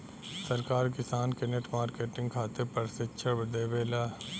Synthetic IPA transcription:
sɐɾkaːɾkɪsaːnkeneʈmaːɾkeːʈɪ̃ŋɡ̚kʰaːt̪epɐɾsɪt͡ʃʰəbd̪eːʋeːlaː

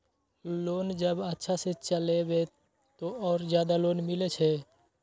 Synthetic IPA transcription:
loːnd͡ʒəbətːʃʰaset͡ʃəlebe | t̪oʔɔːɾzjaːd̪aloːnmɪlet͡ʃʰe

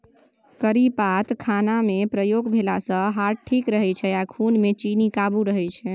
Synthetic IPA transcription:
kəɾipat̪kʰanamepɾəjoɡbʱelasə̃ɦaɾʈʰikɾəɦɛt͡ʃʰɛakʰunmet͡ʃinikabuɾəɦɛjt͡ʃʰɛ

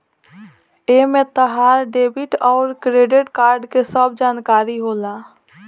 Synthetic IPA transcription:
eːmẽt̪əɦaːɾɖeːbɪʈɔːɾkɾeːɖɪʈkaːɾɖkesəbd͡ʒaːnkaːɾiɦoːlaː

